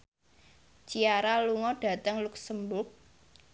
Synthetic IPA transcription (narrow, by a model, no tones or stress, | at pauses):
t͡ʃiaɾaluŋɔɖ̥a̤t̪əŋluk̚səmbʊk̚